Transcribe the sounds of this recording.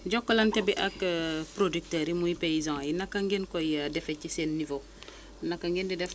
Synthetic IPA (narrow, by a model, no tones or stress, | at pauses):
ɟɔkːolɐntɛbiʔɐkpɾodyk̚təɾimuipeizɔ̃ŋajinɐkːɐŋɡenkojadɛfecːisenːivo | nakːaŋɡendidɛf